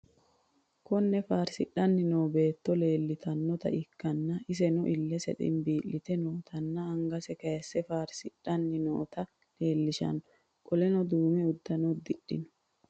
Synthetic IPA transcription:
kɔnːɛfaːɾsɪɗːɐnːɪno̞ːbe̞ːt̪ːɔle̞ːlːɪt̪ʰɐnːɔt̪ɐ̰ʔɪkːɐnːɐɪs̬ɛnʊʔɪlːɛsɛ̰t̪ʼɪ̰nbiːʔːɪt̪ɛnoːt̪ʰɐnːɐɐŋɡɐsɛkɐjsːɛfaːɾsɪᶑɐnːɪno̰ːt̪ɐ | le̞ːlːɪʃɐ̰nːɔ | kʼɔlɛnɔd̪uːmɛʊd̪ːɐnɔd̪ɪɗːɪ̰nɔ̥

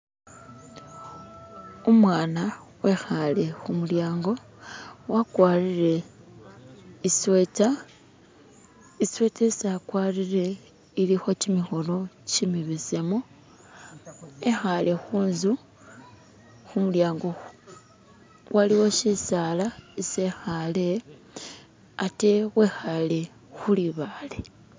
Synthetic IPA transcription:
omwaːnawe̞xale̞xumuljaːŋɡo̞ | wakwaːɾiɾe̞ | isweta | iswetesakwaɾiɾe̞ | ilixo̞cimixo̞lo̞cimiβisemo | exalʔe̞xuːnzu | xumuljaːŋɡo̞ | wʔaliwo̞ʃisaːlaisexale | ate̞ɣwe̞xale̞ | xuliβale

